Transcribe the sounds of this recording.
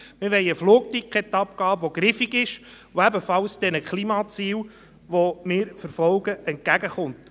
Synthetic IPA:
mɪɾʋɛɪəfluːk̚tikχɛt̪ːɑpkɑːʋoɡɾɪfiɡɪʃ | oæbəfɑlsd̥̪ɛnəkʰlimɑːt͡siːl | ʋomɪːɾfəɾfɔlɡ̥əʔɛnt̚kæɡəχʊnt

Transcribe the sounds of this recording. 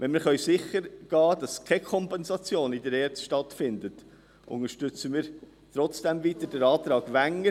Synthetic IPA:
ʋɛnmɪɾχœʏsɪχəɾɡ̥ɑːd̥ɑskʰɛkʰɔmpɛnsɑt͡sjoːnɪdəɾɛːɾt͡sʃtɑtfɪndət | ʔʊ̰ŋəɾʃtʏt͡səmɪːɾ | t̪ɾɔt͡sd̥ɛmvit̪əɾd̥əɾɑːt̪ɾɑːɡ̥ʋæŋːə

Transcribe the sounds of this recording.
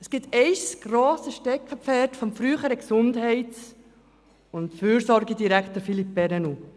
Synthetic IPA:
əsɡ̥ɪtɛɪsɡ̥roːsəʃtɛkχəpfɛtfɔmfɾyːχəɾəksʊndhɛɪt | ʊntfyːɾsɔɾɡədiɾækχtəɾfilip̚bɛɾɛnu

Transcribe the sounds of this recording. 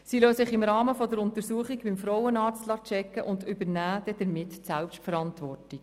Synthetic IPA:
siløːsɪχɪmɾɑːməfɔd̪əɾʊnt̪əɾsuəχiɡbɪmfɾɔwənɑːɾt͡stlɑt͡ʃɛkːəʔʊndʏbəɾnæːd̥̪ɛd̥̪əɾmɪtːsælpʃtfəɾɑntʋɔrtik

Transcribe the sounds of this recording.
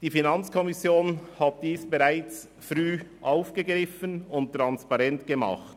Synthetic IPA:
d̥iːfinɑnt͡skʰɔmɪsjoːnhat̚d̥iːsb̥eʁaɪt͡s | fɾyːʔaʊfɡ̥əɡɾɪfənʊnttɾɑnspɑʁɛntɡ̥əmɑ̰χt

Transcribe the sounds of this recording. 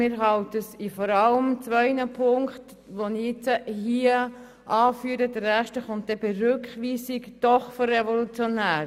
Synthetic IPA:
mɪːɾɦɑltəsifɔɾɑləmt͡sʋœɪnəpʰʊŋkt | ʋoniɪt͡səhiə | ʔɑːfyːəɾədəɾɛʃtəχʊnt̚d̥ɛbɛɾʉkχʋiːsikd̥ɔχføɾːevolut͡sjonæːɾ

